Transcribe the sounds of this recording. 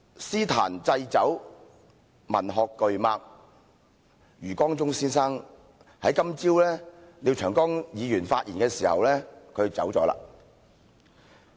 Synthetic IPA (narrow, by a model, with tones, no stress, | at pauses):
siː˥t̪ʰa̰ː˨˩nt͡sɐ˧jt͡sɐ˨˥w | mɐ˨˩nɦɔː˨kːɵ˨ɥmaː˧k̚ | jyː˨˩kɔː˥ŋt͡sʊ˥ŋsiː˥nsaː˥ŋ | hɐ˨˥jkɐ˥mt͡siː˥wlɛː˥li˨˧wt͡ʃʰœː˨˩ŋkɔː˥ŋjiː˨˧jyː˨˩nfaː˧t̚jiː˨˩nkɛː˧siː˨˩hɐ̰˨wlɛː˥kʰɵ˨˧ɥt͡sɐ̰˨˥wt͡sɔ̰ː˨˥la̰ː˧